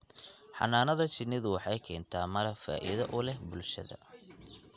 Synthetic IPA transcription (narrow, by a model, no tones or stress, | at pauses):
ħɑ̰naːnɐðɐt͡ʃɪnːɪðʊwɑħɑjkʰɛːnt̪ʰaːmɐɾɐfa̰ːʔḭðɐʔʊlɛhbʊlʃɐ̰ðɐ̰